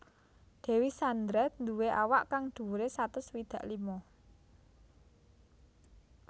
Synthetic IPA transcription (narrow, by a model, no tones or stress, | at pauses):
d̪̥e̤wisand̪ɾɛt̪̚nd̪uweʔawaʔkaŋd̪̥ṳɾesat̪ʊswid̪̥ä̤ʔlimɔ